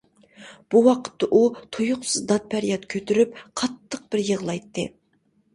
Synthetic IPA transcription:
b̥uwɑqʰə̥t̪ːɑʔut̪ʰojʊqsɨzd̪ɑt̪̚pʰæɾijɑt̪kʲʰøt̪ʰyɾypqʰɑt̪ʰːəq̚b̥ɪɾjəʁlˠɑjt̪ːɨ

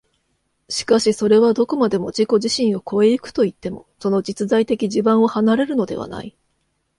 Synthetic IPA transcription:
ɕi̥kaɕiso̞ɾe̞βad̪o̞ko̞mad̪e̞mo̞d͡ʑiko̞ʑiɕĩɰ̃o̞ko̞e̞ikɯ̟̥t̪o̞it̪ːe̞mo̞̰so̞no̞d͡ʑit͡sɨzait̪e̞kʲiʑibãɰ̃o̞hanaɾe̞ɾɯ̟no̞d̪e̞̰βa̰na̰i

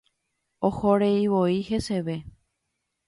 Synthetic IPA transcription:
ohoɾeiʋoihe̞se̞ʋe̞

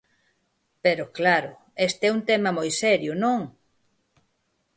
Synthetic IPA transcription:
peɾoklaɾʊ | est̪eɛunt̪ɛmɐmojsɛɾjʊnõŋ

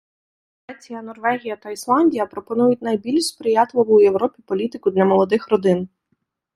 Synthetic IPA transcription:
ɾɛt͡sʲijɐnɔrʋɛɦʲijɐt̪ɐislˠɑnʲdʲijɐpɾɔpɔnujʊtʲnɐjbʲilʲʃspɾɪjɑt̪lˠɔʋʊjewɾɔpʲipɔlʲit̪ɪkʊd̪lʲɐmɔlˠɔd̪ɪxrɔd̪ɪn

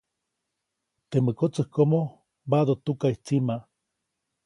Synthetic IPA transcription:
t̪emɨkot͡sɨhkomo | bad̪ot̪ukait͡sima

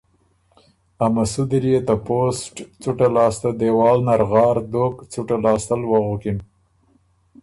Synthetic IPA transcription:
amasud̪ɾijet̪aposʈt͡suʈalɑːst̪ad̪ewɑːlnaɾɣɑːɾd̪okt͡suʈalɑːst̪alwaɣukin

